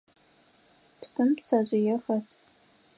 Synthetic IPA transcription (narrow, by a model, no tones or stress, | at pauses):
psɨmpʰt͡sʰazʷʼɪjɪχas